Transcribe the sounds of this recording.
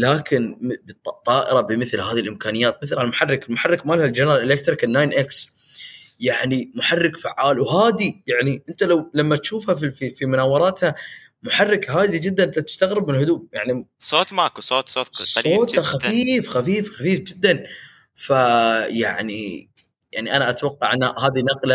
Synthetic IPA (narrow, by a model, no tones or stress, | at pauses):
laːkʰɪnbt̪ˤt̪ˤːɑːʔɪɾɑbɪmɪθlhaːðilʔɪmkaːnɪjːaːt̪̚mɪθlhalmʊħarːɪkɪlmʊħarˤːɪkmaːlhald͡ʒanɾˤɑlʔɪlek̚t̪ɾɪkɪnːaːjnʔɪks | jaʕnimʊħarːɪkfaʕːaːlwɦaːd̪ijaʕniʔɪnt̪alawlamːat̪ʃuːfhafififimʊnaːwɑɾˤɑːt̪ha | mʊħarːɪkɦaːd̪id͡ʒɪd̪ːanʔt̪at̪ɪ̥st̪aɣɾɪbmɪnhʊd̪uːb̚ja̰ʕnisˤoːt̪makusˤoːt̪soːt̪sˤoːt̪haxafiːfxafiːfxafiːfd͡ʒɪd̪ːan | faja̰ʕnḭ | jaʕniʔanaʔat̪awɑqːɑʕʔanːahaːðinɑqla